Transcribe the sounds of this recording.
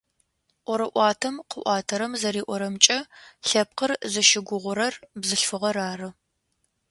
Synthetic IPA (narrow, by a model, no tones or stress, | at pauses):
ʔʷɔɾɨʔʷɑːtʰɐmqəʔʷɑːtʰɐɾɐmzɐɾiːʔʷɔɾɐmt͡ʃʼɐɬɐp̚qərzɐʃɪɡʷʊʁʷʊɾɐrbzɨɬfɨʁɐɾaːrɨ